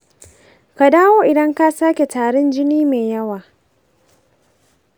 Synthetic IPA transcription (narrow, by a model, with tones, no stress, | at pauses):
ka˨daː˦woː˦ʔɪ˨dɐ˦ŋka˦saː˦kʲe˨taː˨ɽɛ˦nd͡ʒɪ˦niː˦meː˨jɐ˦waː˨